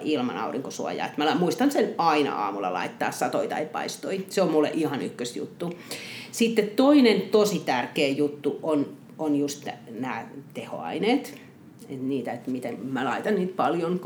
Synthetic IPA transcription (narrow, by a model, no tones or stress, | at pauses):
ilmɑ̰nɑ̰uriŋkosuɑ̰jɑ̰ːet̪mælɑmuist̪ɑnsenɑinɑ̰ɑ̰ːmulːɑ̰lɑ̰it̪ːɑ̰ːssɑt̪oit̪ɑ̰ipɑ̰ist̪oiseommulːḛʔihɑny̰kːøsjṵt̪ːusit̪ːett̪oinent̪osit̪ærkeːjut̪ːuon | onjust̪ænæːt̪eho̰ɑ̰ineːt̪ | et̪niːt̪æet̪mit̪emmælɑit̪ɑnniːt̪pɑljon